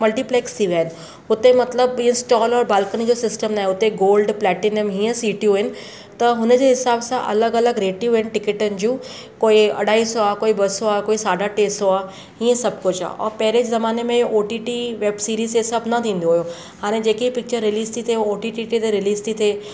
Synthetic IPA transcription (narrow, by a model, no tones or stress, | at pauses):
mɐlʈipleːkst̪ʰiʋjaːɦɪnɪ̆ | ʊt̪emɐt̪ləbiːə̃sʈɔːlɔːɾbaːlkənĭd͡ʑoːsɪsʈəmnaːɦeʊt̪eɡoːlɖplɛːʈɪnəmɦiːə̃siːʈjũɦɪnɪ̆ | t̪ɐɦʊnəd͡ʑeɦɪsaːbsãʔɐləɡɐləɡɾeːʈjuɦɪnɪ̆ʈɪkɪʈənɪ̆d͡ʑũː | koːiɐ̰ɽʱaːisoaːkoːibɐsoaːkoːisaːɖʱaʈeːsoaː | iːə̃sɐb̚kʊt͡ɕa̰ːɔ̰ːɾpɛɦɪɾeːd͡ʑzɐmaːnemẽoːʈiːʈiʋeːbsiːɾiːzesɐbnɐt̪ʰĩːn̆d̪oɦʊjo | haːɽ̃ẽd͡ʑeːkiipɪk̚t͡ɕəɾːɪliːst̪ʰit̪ʰeoːʈiʈiʈit̪eɾɪliːst̪ʰit̪ʰe